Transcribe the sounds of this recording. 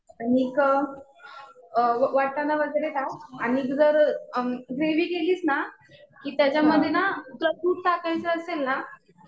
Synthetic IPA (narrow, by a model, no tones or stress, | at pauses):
aniiːk | ʋaʈt̪anaʋəd͡zəɾet̪aaniːkd͡zəɾ | ɡɾeʋiːkeliːsna | kiːt̪jat͡ɕaməd̪ʱːjenat̪ɾət̪uːʈ̚ʈakajt͡səəselna